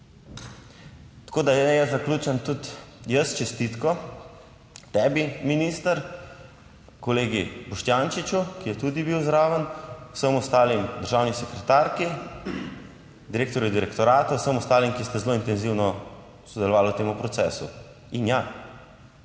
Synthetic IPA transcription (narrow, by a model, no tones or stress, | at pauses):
t̪ḁkoːd̪aɛjɛzakluːt͡ʃɛnt̪ut̪jəst͡ʃɛst̪it̪kɔ | t̪ɛːbiminiːst̪əɾ | kɔleːɡibɔʃt̪jaːnt͡ʃit͡ʃukijɛt̪ud̪ibiwzɾaːʋənuwsəmɔst̪aːlimd̪əɾʒaːwnisɛkɾɛt̪aːɾki | d̪iɾeːkt̪ɔɾjud̪iɾɛkt̪ɔɾaːt̪awsəmɔst̪aːlimkist̪ɛzloːint̪ɛnziwnɔ | sɔd̪ɛlɔʋaːlut̪eːmupɾɔsɛːsṵ | inja